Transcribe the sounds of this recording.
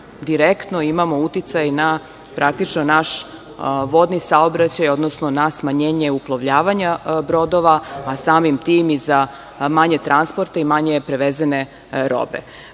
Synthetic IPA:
d̪iɾekt̪no̞imamo̞ut̪it̪sajna | pɾʔakt̪it͡ʃnonaʃ | ʋo̞d̪nisaobɾat͡ɕajod̪nosnonasmaɲeːɲeuplˠaʋʎaːʋaɲabɾo̞d̪o̞ʋaːsaːmimt̪iːmiza | maɲet̪ɾʔanspo̞ɾt̪aimaɲe̞pɾeʋezene̞ | ɾo̰bḛ

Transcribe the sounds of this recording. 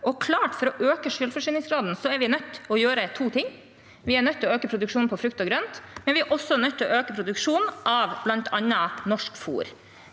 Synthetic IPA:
ɔkʰlɑːʈfɔɾɔʔøːkəʂʏlfɔʂyːnɪŋsɡɾɑːd̪n̩sɔæɾʋɪnœt̪ːɔjøːɾət̪ʰuːt̪ʰɪŋː | ʋɪæɳœt̪ʰːɪlɔøːkəpʰɾʊd̪ʉkʂuːnpʰɔfɾʉk̚t̪ɔɡɾœnt̪mɛnʋɪæɾʔɔsːɔnœt̪ʰːɪlɔøːkəpʰɾʊd̪ʉkʂuːnʔɑʋblɑnt̪ʰɑnːənɔʂkfṵːɾ

